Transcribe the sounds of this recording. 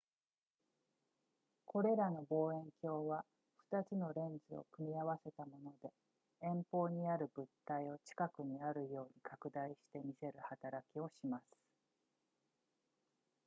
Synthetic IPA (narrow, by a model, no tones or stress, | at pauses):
kʰo̞ɾe̞ɾano̞bo̞ːẽ̞ŋkʲo̞ːβa | ɸɯ̥t̪at͡sɨno̞ɾẽ̞nd͡zɨo̞̰kɯ̟mʲiaβase̞t̪amo̞no̞d̪e̞ | ẽ̞mpo̞ːɲ̟iaɾɯ̟bɯ̟t̪ːaio̞t͡ɕi̥kakɯ̟ɲ̟iaɾɯ̟jo̞ːɲ̟ikʰakɯ̟d̪aiɕi̥t̪e̞mʲise̞ɾɯ̟hat̪aɾakʲio̞ɕimasɨ̥